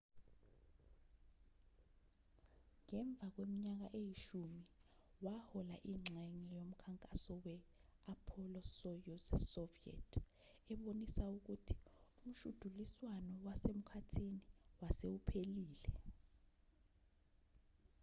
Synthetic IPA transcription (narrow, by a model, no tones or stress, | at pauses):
ŋɛɱb̪vʱak̬wemiɲak̬aʔejiʃumiwahɔlaʔiŋ͡ǁɛŋijom̩kʰaŋkʼasɔwɛapʰɔlɔsɔjɔsɔviɛ̰tʰ | ɛɓonisauk̬utʰi̥um̩ʃud̥ʱuliswanɔwasem̩kʰatʰiniwasewupʰeliːlɛ